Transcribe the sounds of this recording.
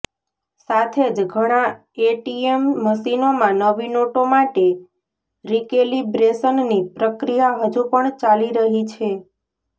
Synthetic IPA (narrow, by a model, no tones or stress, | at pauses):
sat̪ʰed͡ʒɡʱəɽ̃ã | eʈiemːəʃinomãnəʋinoʈomaʈe | ɾikelibɾesənnipɾəkɾijaɦəd͡ʒupəɳt͡ʃaliɾəɦit͡ʃʰe